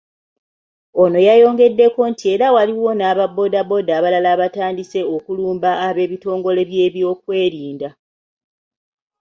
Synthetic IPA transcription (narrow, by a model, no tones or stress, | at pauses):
o̞no̞jajo̞ːŋɡe̞dːe̞ko̞ntʰie̞ɾawaliwo̞naːβabːo̞dabo̞daːβalalaːβataːndise̞okuluːmbaːβe̞ːβito̞ːŋɡo̞le̞βje̞ːβjo̞ːk̚we̞ːɾiːnda